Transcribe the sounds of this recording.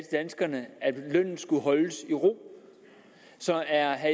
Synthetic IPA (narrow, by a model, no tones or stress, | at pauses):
d̥d̥ænsɡ̥ɐnəæd̥lœn̰n̩ˠsɡ̥uɦɒ̽ləsiʁo̝̰ː | sɒ̽æɐɦæ